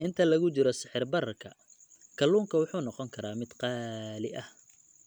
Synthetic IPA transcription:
ʔɪnt̪ʰɐlɐɣʊt͡ʃɪɾɔsɪħɪrbɐɾɐrkʰɐ | kʰɐlːuːŋkʰɐwʊħuːnɔqɔŋkʰɐɾaːmɪd̪qɑːlɪʔɐh

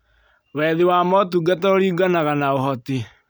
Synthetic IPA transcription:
wɛːðewaːmɔt̬uɡatɛoɾiːɡanaɣanaoɦɔte

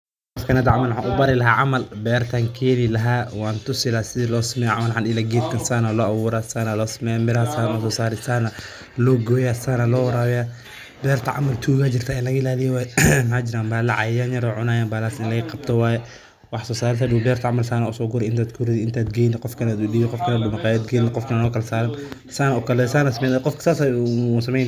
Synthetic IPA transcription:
qɔfkʰɐnaːd̪ʕamɐlħanʔʊbɐɾɪlɐɦaːʕamɐlbɛːɾt̪ʰaːŋkʰɛːlɪlɐɦaːwaːnt̪ʊsɪlasɪðiːlɔːsɐmɛjaʕamɐlħanɪlaːɡɛːd̪kʰɐnsaːnalɔːʔawuːɾaːsaːnalɔːsɐmɛːjamɪlɐhɐsaːnɔsɔːsaːɾɪsaːnɐ | lɔɡɔjaːsaːnalɔːwɐɾaːwɛja | bɛːrt̪ʰɐʕa̰mɐlt̪ʰuːɣat͡ʃɪrt̪ʰaːɪnlɐɣɐɪlaːlɪjɛwaːjɛmhaːd͡ʒɪɾaːmbaːlɐʕajjanjɐɾɔʕʊnaːjaːbalaːsɪnlɐɣqɑb̚t̪ʰɔwaːjɛ | wɑħsɔːsaːɾɪs̬adʊbɛːrt̪ʰaʕamɐlsaːnaʊsɔːɡʊɾɛɪnt̪aːd̪kʰʊɾɪðɪnt̪ʰaːd̪ɡɛjnɪqɔfkʰɐnaːd̪ʊdiːɪqɔfkʰɐnaːdʊmɐqaːjaːd̪ɡɛjnɪqɔfkʰɐnalɔːkɐlɐsaːɾɪn | saːnɐʊkɐlɛsaːnasɐmɛːqɔfkʰɐ̥saːsausɐmɛjn

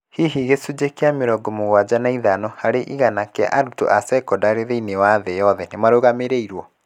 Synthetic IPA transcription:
hiɦiɣesud͡ʑekeameɾɔɡɔmoɣwad͡ʑanaiðanɔhaɾeʔiɣanakɛa̰ʔaɾuto̰ʔasɛkɔdaɾeɾeinewaðɛjɔðɛnemaɾoɣameɾeiɾwɔ

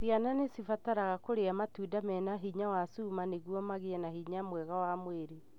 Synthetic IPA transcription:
siananesifataɾaɣakoɾeamatudamɛnaɦiɲawasumaneɣwɔmaɣeɛnahiɲamwɛɣawamweɾe

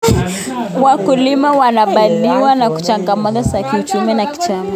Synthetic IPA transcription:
wakulimawanaɓaliwanaku̥t͡ʃaŋɡamazazakiut͡ʃuminaki̥t͡ʃama

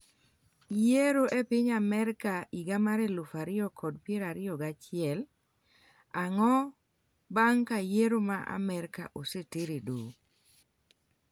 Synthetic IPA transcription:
jeɾoʔepɪɲamɛɾkaiɡamaɾelʊfaɾɪjɔkʰɔd̚pjeɾaɾɪjɔɡat͡ʃɪɛl | aŋɔ | baŋkajeɾomaʔa̰mɛɾka̰ʔosetɪɾedo

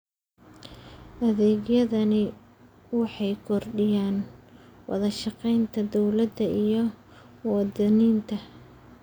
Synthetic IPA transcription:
ʔɐðɛːɡjɐðɐnɪ | wɑħɑjkʰɔrɖɪjaːnwɑ̰ðɐʃɑqɛjnt̪ʰɐd̪ɔwlɐd̪ɐʔijɞ | wɑd̪ɐniːnt̪ʰɐ

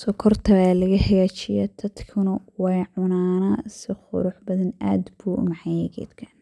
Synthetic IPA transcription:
sɔkʰɔrt̪ʰɐβaːlɐɣɐhɐɣaːt͡ʃɪjɛ̰d̪̥ʰɐd̪kʰʊnɐwɑjʕʊnaːnɐsɪχʊ̰ɾʊħbɐðɐna̰ːd̪buːʔʊ̰mɑħɑjɛɡɛ̰ːd̪kʰɐ̥n

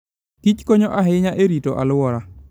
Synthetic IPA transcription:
kit͡ʃkoɲɔʔaɦɪɲaʔeɾitoʔa̰lʊwɔɾa

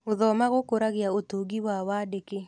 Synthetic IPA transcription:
oðɔmaɣokoɾaɣjaotoɡiwawadeke

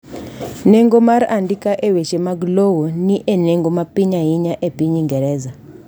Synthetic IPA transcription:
neŋɡomaɾandikaʔeweʃemaɡlowoniʔeneŋɡomapiɲaɦiɲaʔepiɲiŋɡɛɾɛza

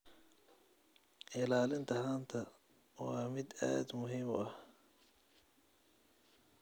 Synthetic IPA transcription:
ʔɪlaːlɪnt̪ʰɐɦaːnt̪ʰɐ | wɑːmɪd̪a̰ːd̪mʊɦiːmʔɐh

